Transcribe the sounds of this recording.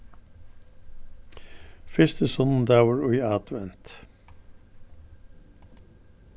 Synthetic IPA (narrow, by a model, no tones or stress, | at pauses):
fɪst̪əsɔnn̩d̪æːʋəɹʊʏɑːt̪ʋɛnt̪